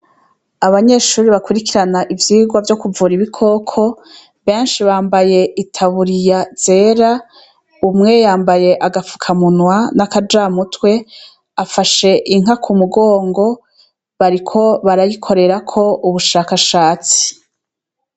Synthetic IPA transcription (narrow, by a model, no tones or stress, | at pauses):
aβaɲe̞ʃuːɾiβakuɾikiɾanaʔivjiːɡwavjo̞kuvuːɾiβikʰo̞ːkʰo̞ | βe̞ːnʃiβaːmbaje̞ʔitʰaβuɾijaz̥e̞ːɾa | umŋe̞jaːmbaje̞ʔaɡafu̥kʰamunwanakad͡ʒaːmutwe̞ | afaʃe̞ʔiŋ̥ɦakʰumuɡo̞ːŋɡo̞ | βaɾikʰo̞βaɾajikʰo̞ɾe̞ɾakʰo̞ʔuβuʃaːkaʃaːt͡si̥